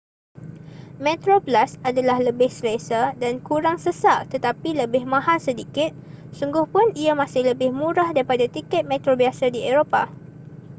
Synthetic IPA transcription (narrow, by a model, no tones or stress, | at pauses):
mẽt̪ɾoplasadalahləbɪhsəlesadankuɾaŋsəsaʔt̪ət̪apiləbɪhmãɦalsədikɪt̪̚suŋɡʊhpʊniamãsɪhləbɪhmũɾahdaɾipadat̪ikɛt̪̚mɛ̃t̪ɾobiasadieɾopa